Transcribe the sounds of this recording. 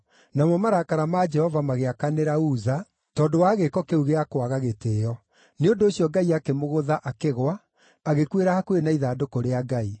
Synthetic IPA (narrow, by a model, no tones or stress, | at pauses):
namɔmaɾakaɾamad͡ʒɛhɔvamaɣeakaneɾauːða | tɔːndowaːɣekɔkeuɣeakwaɣaɣetejɔ | neondooɕjɔɡaiakemoɣoðaʔakeɣwaː | ɣekweɾahakwenaiðaːdokoɾeaɡai